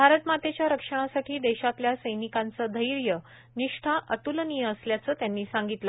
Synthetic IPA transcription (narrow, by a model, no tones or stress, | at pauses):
bʱaɾət̪mat̪et͡ɕjaɾəkʂəɽ̃asaʈʰiːd̪eɕat̪ljasəjnikant͡səːd̪ʱəjɾjə | niʂʈʰaʔəʈ̪ulnijəəsljat͡səːt̪janːiːsaŋɡit̪lə